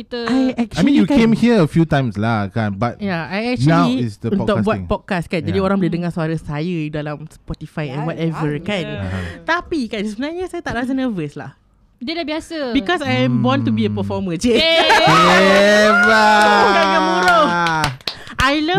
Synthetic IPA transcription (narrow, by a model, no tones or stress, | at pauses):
it̪əajɛk̚t͡ʃuamĩnjukkẽmhiəəfjutãj̃mslakãnbat̚jaajɛk̚t͡ʃunalwiisdə̃t̪ɔbwãpɔd̚kaskãnjd͡ʒadiɔɾãŋbəlidəŋasəaɾəsajəudalamspɔtifajɛ̃nwɔtɛvəkãnt̪apikãnsəmənaɲəsajat̪aʔɾas̬ənəvəsla̰h | dəlabiasəbikɔsajɛ̃mbɔ̃nt̪ubiəpəfɔməd͡ʒefɔɛɛvəamɔɹo | ʔajlə